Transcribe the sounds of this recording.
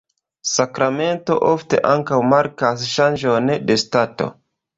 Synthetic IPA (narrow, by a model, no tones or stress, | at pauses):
sakɾame̞nto̞̰ʔofte̞̰ʔaŋkawmaɾkasʃand͡ʒondestato̞̰